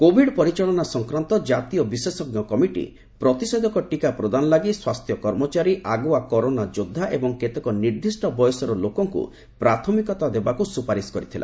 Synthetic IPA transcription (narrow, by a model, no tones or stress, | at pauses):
kobʱiɖpɔɾit͡ʃaɭɔnasɔŋkɾant̪ɔd͡ʒat̪ijɔbisesɔɡnɔkɔmiʈḭ | pɾɔt̪isɔd̪ɔkɔʈikapɾɔd̪anɔlaɡiswast̪ʰjɔkɔɾmɔt͡ʃaɾiʔaɡuakɔɾonad͡ʒod̪ʱːaʔebɔŋket̪ekɔniɾd̪ʱisʈɔbɔjɔsɔɾɔlokɔŋkṵ | pɾat̪ʰɔmikɔt̪ad̪ebakusupaɾiskɔɾit̪ʰilʔa̰